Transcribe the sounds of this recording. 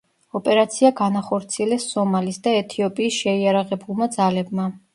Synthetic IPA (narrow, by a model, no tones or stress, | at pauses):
ɔpʼɛɾat̪sʰiaɡanaχɔɾt̪sʰiɛlɛsːɔmalisd̪aɛt̪ʰiɔpʼiːsʃɛiaɾaʁɛbulˠmad̪zalɛbma